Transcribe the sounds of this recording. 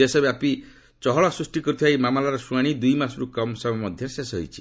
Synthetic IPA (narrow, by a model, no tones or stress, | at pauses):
esɔbapi | t͡ʃɔɦɔɭɔsɾusʈikɔɾut̪ʰiajmamalaɾɔsuaɽ̃id̪ujmasɾukɔmsɔbɔmɔd̪ʱjɔsesɦo̰jt͡ʃʰi̥